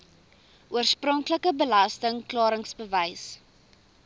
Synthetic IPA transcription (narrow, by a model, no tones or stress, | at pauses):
uərsprɔŋkləkəbəlɐstəŋklɑːɾəŋsbəvəjs